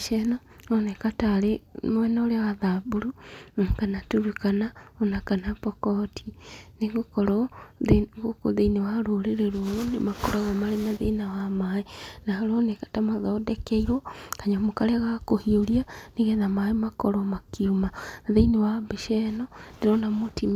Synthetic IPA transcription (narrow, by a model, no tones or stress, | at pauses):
ʃɛnɔ | onekataɾemwɛnaoɾewaðabuɾukanatuɾukanaonakanapɔkɔtʰineɣokɔɾɔðeɣoko̰ðeinewaɾoːɾeɾeɾwɔnḛmakoɾaɣamaɾenaðeinawamaenaaɾonekḁtamaðɔdɛkɛiɾwɔkaɲamokaɾeɣakohiolianeɣɛðamaemakɔɾɔmakiumanaðeinewabeʃɛnɔndeɾɔnamotim